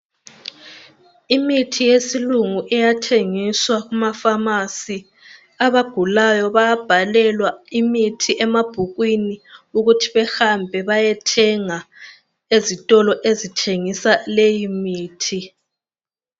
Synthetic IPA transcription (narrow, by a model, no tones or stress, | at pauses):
imitʰijesiluŋuʔɛjatʰeŋiswaɣumafamasi | aβaɡ̥ʱulajɔβajab̥ʱalɛlwaimitʰiʔɛmab̥ʱuɣwiniuɣutʰiβɛxambʱɛβajɛtʰɛŋa | ezitʼɔlɔʔezitʰeŋisalejimiːtʰi